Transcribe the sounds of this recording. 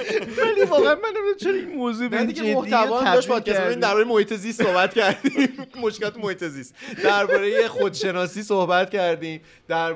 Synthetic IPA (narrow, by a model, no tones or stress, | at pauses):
vælivɒːɣeænmænːeminamt͡ʃʰeɾojemozubæd̪iɡemoh̪ʰævɒːdɒʃt̪pʰɒːd̪̥̚kʰʲæssimd̪æɾbɒːɾejemo̞hiːt̪ʰe̞zist̪so̞hbæt̪cʰæɾd̪immo̞ʃkʲelɒːt̪ʰemohiːt̪ʰe̞zist̪d̪æɾbɒːɾe̞jexo̞d̪ʃe̞nɒːsiːsohbæt̪cæɾd̪iːm | d̪̥æɾ